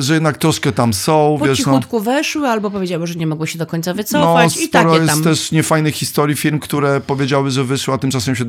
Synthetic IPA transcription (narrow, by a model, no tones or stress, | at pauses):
ʐɛjɛd̪nak̚t̪ɾɔʂkɛt̪amsɔ̃w̃vpɔjɛʂiɔut̪kuvɛʂwɘalbɔpɔvʲjed͡ʑawɛʐɛɲɛmɔɡwɔɕɛd̪ɔkɔɲt̪savɨt̪sɔɔfast͡ɕipaɾɔɛjɛsamt̪ːɛʂɲɛfajnɘxxːist̪ɔɾʲjifʲiɾmkt̪uɾɛpɔvʲjed͡ʑawɘʐɛvɘʂwɘat̪ɘmt͡ʂasɛmɕɛ